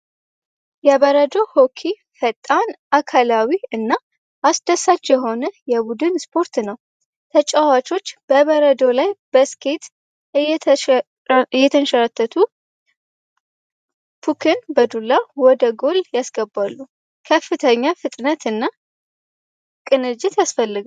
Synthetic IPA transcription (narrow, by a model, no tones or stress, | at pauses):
jɛβəɾəd̪ohokʰi | fət̪ʼːanʔakʰalawiɨnːa | ʔasd̪əsat͡ʃːjɛɦo̞nəjɛbud̪ɨnspʰo̞ɾt̪nəw | t̪ʰət͡ʃʼawat͡ʃʼo̞t͡ʃːb̥əβəɾəd̪o̞lajb̥əskʰet̪ | ɛ | ɨjɛt̪ʰənʃəɾat̪ʰːət̪ʰu | pʰukʰɨnbəd̪ulːawɔd̪əɡo̞ljasɡəbːalːu | kʰəfːɨt̪ʰəɲːafɨt̪ʼnət̪ɨnːa | kʼɨnɨd͡ʒɪt̪jasfəlːɨɡ